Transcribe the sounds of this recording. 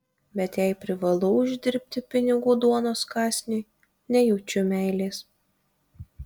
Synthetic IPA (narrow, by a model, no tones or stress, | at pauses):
bʲɛt̪jɛɪpʲɾʲɪʋɐlˠʊʊʒʲd̪ʲɪɾʲp̚ʲt̪ʲɪpʲɪnʲɪɡuːd̪uɔnoːskɑːsʲnʲʊɪ | nʲɛjuːt͡ʃʲʊmʲæˑɪlʲeːs